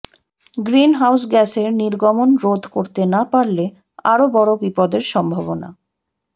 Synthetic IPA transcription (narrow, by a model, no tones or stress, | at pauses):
ɡɾinɦawsɡɛseɾniɾɡɔmonɾod̪ʱkoɾt̪enapaɾle | aɾobɔɾobipɔd̪eɾʃɔmbʱaβona̰